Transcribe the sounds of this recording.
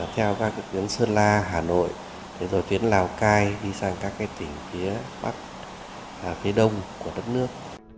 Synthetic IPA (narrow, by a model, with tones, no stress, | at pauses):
t̪ʰɛ˧wkaː˦˥k̚ːt̪wi˨˦ənsɨ˧laː˧ɦaː˨˩no̰˧˨jʔ | ɗʰe˨˧˩zo˨˩jt̪i˨˦ənlaː˧˩wkaː˧jɗi˧saː˧ŋkaː˦˥kːaː˨˦jt̪ï˧˩ŋ̟fi˨˦əɓa̰˦˥t̚ | fi˨˦ɗə˧wŋ͡mku˧˩əɗə˦˥t̚nɨ˦˥ək̚